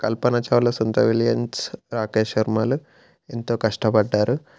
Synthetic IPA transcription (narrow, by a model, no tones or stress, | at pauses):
kɐlpɐnɐt͡ʃɐʋlɐsund̪ɾɐ̰ʋiljɐnsɾaːkeːʃɐɾmaːlu | ent̪oːkɐʂʈɐpɐɖːaːɾu